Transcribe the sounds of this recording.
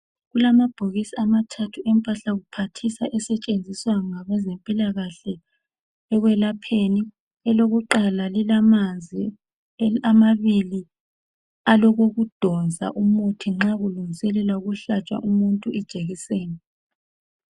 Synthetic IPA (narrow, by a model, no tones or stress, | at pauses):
ɣulamab̥ʱoɣisiamatʰatʰuɛmpʼaɬaɣupʰatʰisaʔɛsɛt͡ʃʼend͡zʱiswaŋaβɛzɛmpʼilaɣaɬɛ | ɛɣwɛlapʰeni | ɛloɣuǃalalilamand͡zʱi | amaβili | alɔɣoɣud̥ʱɔnd͡zʱa̰ʔumutʰiŋ͡ǁaɣuluŋisɛlɛlauɣuɬat͡ʃʼwa̰ʔumuntʼuʔɛd̥ʒ̥ʱeɣiseːni